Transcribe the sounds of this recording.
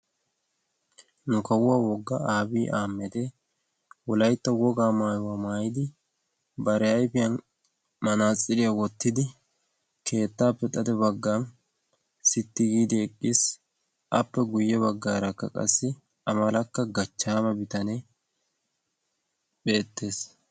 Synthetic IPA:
nʊkɐwʊwaːwɔɡːɐaːbiːʔaːmːɛd̪ɛ | wɔlɐjt̪ːɐwɔɡaːmaːjʊwamaːjɪd̪ɪ | bɐɾɛɐjpɪjɐn | mɐnaːt͡sʼːɪlɪjɐwɔt̪ːɪd̪ɪ | kʰe̞ːt̪ːaːpːɛt̪ʼɐd̪ɛbɐɡːan | sɪt̪ːɪɡiːd̪ɛɛkʼːis | ʔɐpːɛɡʊjːɛβɐɡːaːɾɐkːɐkʼɐ̰sːɪ | ɐmɐlɐkːɐɡɐt͡ʃːaːmɐbɪt̪ɐne | be̞ːt̪ːe̞ːs

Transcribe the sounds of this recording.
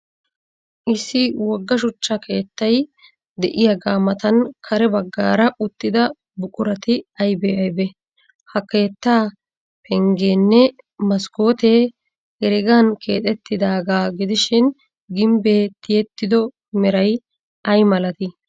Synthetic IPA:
ʔɪsːɪwɔɡːɐʃ̬ʊt͡ʃːɐkʰe̞ːt̪ːɐj | d̪ɛʔɪjɐɡaːmɐt̪ɐnkʰɐɾɛbɐɡːa̰ːɾɐʔʊt̪ːɪd̪ɐ | bʊkʼʊɾɐt̪ɪɐjbeɐjbɛ | hɐke̞ːt̪ːaː | pɛŋɡeːnːɛ | mɐsko̞ːt̪e̞ː | ɡɛɾɪɡankḛːt̪ʼɛt̪ːɪd̪aːɡaːɡɪd̪ɪʃɪn | ɡɪmbe̞ːt̪ɪjɛt̪ːɪd̪ɔ | mɛɾɐj | ʔɐjmɐlɐt̪ɪ

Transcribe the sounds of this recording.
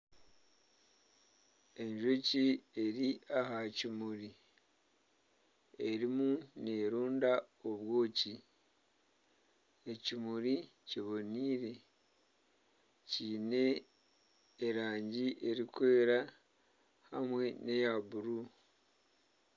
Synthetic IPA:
e̞ɲʒocieɾiahacimuɾi | e̞ɾimune̞ɾuːndaoβwo̞ːci | ecimuɾi | ciβo̞niːɾe̞ | ciːne̞ | ɾaːɲɟiʔe̞ɾikwe̞ːɾa | hamwe̞ne̞jaβuɾu

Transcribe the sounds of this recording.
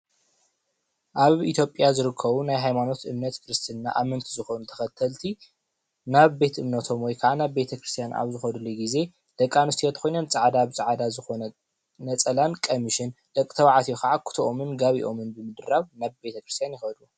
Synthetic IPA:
ʔaβit̪ʰjo̞pʼjazɨɾɨkʰːɐβunajɦajmano̞t̪ʔɨmnɐt̪kʰɾɨst̪ʰɨnːa̰ʔamɐnt̪ʰizɨxo̞nut̪ʰɐ̥xɐt̪ʰːɐlt̪ʰi | naβbe̞t̪ʔɨmnɐt̪ʰo̞mwɔjkʰɐʕanaβbe̞t̪ʰɐkɾɨst̪ʰijanʔa̰βzɨxɐd̪uliɡize̞ | d̪̥ɐkʼːanɨst̪ijot̪ʰɐ̥xojnɐmt͡sʼaʕad̪aβɨt͡sʼɨʕad̪azɨxo̞nɐ | nɐt͡sʼɐlankʼomiʃɪnd̪̥ɐkʼi̥t̪ʰɐβaʕat̪ʰijokaʕakʰʊ̥t̪ʰoʔomɨnɡaβiʔo̞mɨnbɨmɨd̪ɨɾaβnaβbe̞t̪ʰɐkɾɨst̪ʰjanjɪxɐd̪u

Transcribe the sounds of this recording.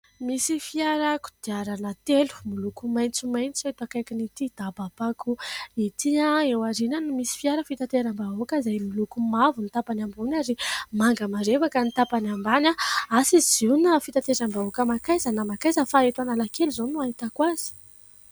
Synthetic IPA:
misifiaɾaku̥d̪̥iaɾanət̪elu̥milukumajnt͡sumajnt͡siet̪akajkinit̪id̪̥abapakuit̪iaewaɾinanumisi̥fiaɾəfit̪at̪eɾambaɦokəzajmilukumavunit̪apanambunaɾimaŋɡəmaɾevakənit̪apanambanaasizzinafit̪at̪eɾambaokəmakajzanamakajzəfaet̪analakeluzonuaɦit̪akwaz̥i̥

